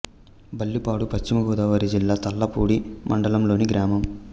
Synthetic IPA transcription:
bɐlːipaːɽupɐɕt͡ʃimɐɡɔːd̪aːʋɐɾid͡ʒilːaːt̪ɐlːɐpuːɽimʔɐ̰ɳɖɐlɐmlo̞ːniɡɾaːmɐm

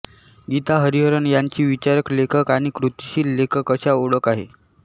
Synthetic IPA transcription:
ɡit̪aɦəɾiɦəɾəɳjaɲt͡ɕiːʋit͡ɕaɾəklekʰəkaɽ̃ikɾut̪ɕiːlːekʰəkəɕaoɽəkaɦḛ

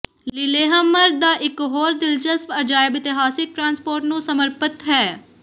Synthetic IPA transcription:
llɪleːɦəmːəɾd̪aːʔɪkɦoːɾd̪ɪlt͡ʃəspəd͡ʒaːɪbɪt̪ɪɦaːsɪk̚ʈɾãːnspoːɾʈnũːsəməɾpət̪ɦɛː

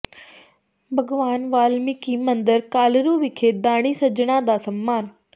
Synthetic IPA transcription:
bʱɐɡʋaːnʋaːlmikimɐ̃nd̪əɾkaːlɾubɪkʰeːd̪aːɽ̃isɐd͡ʑɽ̃ãd̪asɐmːaːn

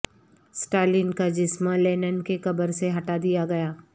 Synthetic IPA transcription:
sʈaːlɪnkad͡ʒɪsmãleːnənkekɐbəɾseɦɐʈad̪ijaɡɐjaː

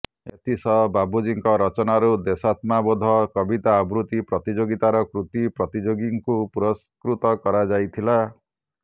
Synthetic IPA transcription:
ḛt̪isɔbabud͡ʒiŋkɔɾɔt͡ʃɔnaɾud̪esat̪mabod̪ʱɔkɔbit̪aːbɾut̪ipɾɔt̪id͡ʒoɡit̪aɾɔkɾut̪ipɾɔt̪id͡ʒoɡiŋkupuɾɔs | kɾut̪ɔkɔɾad͡ʒajt̪ʰila

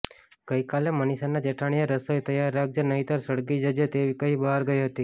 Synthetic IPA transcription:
ɡ̥əikalemənisanad͡ʒeʈʰaɽ̃ijaɾəsojt̪əjaɾːak̚d͡ʒənəɦit̪əɾsəɽɡid͡ʒəd͡ʒet̪eʋikəɦibəɦaɾɡəjɦət̪i

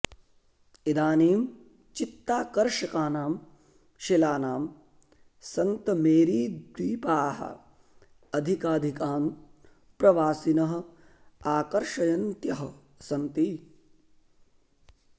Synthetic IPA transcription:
id̪aːniːm | t͡ʃit̪ːaːkɐɾʂɐkaːnaːm | ʃilaːnaːm | sɐnt̪ɐmeːɾiːd̪ʋiːpaːɦɐ̰ | ɐd̪ʱikaːd̪ʱikaːn | pɾɐʋaːsinɐɦɐ̆ | aːkɐɾʂɐjɐnt̪jɐɦɐ | sɐnt̪iː

